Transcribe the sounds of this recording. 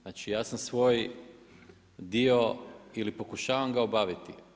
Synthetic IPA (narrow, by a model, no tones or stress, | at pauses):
aːt͡ʃijaːsamsʋo̞ːj | d̪io̞ilipo̞kuʃaːʋamɡaobaːʋit̪i